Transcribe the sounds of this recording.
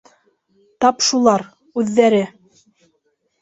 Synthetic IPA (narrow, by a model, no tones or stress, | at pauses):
t̪ɑpʃulˠɑɾ | ʉðːæɾɘ